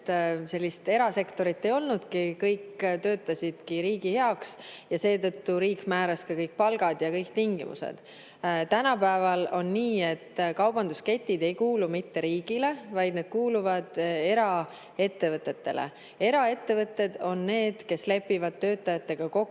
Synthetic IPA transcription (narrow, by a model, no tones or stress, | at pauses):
t̪se̞lʲːist̪e̞ɾɑse̞kt̪o̞ɾit̪ːˑe̞jo̞lnud̪̥kikɤjkt̪ø̞ːt̪ːˑɑsʲid̪̥kiɾiːɡihe̞ɑksjɑse̞ːt̪ɤt̪ːuɾiːkmæːɾɑskɑkɤjk̚pɑlɡ̥ɑd̪̥jɑkɤjkt̪iŋɡ̥imṵsḛd̪̥ | t̪ænɑpæevɑlo̞nːiːe̞t̪ːkɑwbɑnd̪̥uske̞t̪ʲːid̪̥e̞jkuːlumit̪ːe̞ɾiːɡ̥ile̞vɑjd̪̥̚ne̞d̪̥kuːluvɑd̪̥e̞ɾɑ | e̞t̪ːe̞vɤt̪ːˑe̞t̪ːe̞̰lḛ | e̞ɾɑe̞t̪ːe̞vɤt̪ːˑe̞d̪̥o̞nːe̞ːd̪̥ke̞sle̞pːivɑd̪̥̚t̪ø̞ːt̪ːˑɑjɑt̪ːe̞ɡ̥ɑko̞kː